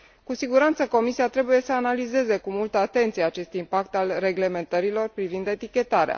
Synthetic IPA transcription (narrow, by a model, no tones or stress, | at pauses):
kusiɡuɾant̪səko̞misiat̪ɾe̞buje̞səanalize̞ze̞kumult̪əat̪e̞nt̪sijeat͡ʃe̞st̪impakt̪alre̞ɡle̞me̞nt̪əɾilo̞rpɾivind̪e̞t̪ikʲe̞t̪aɾea̰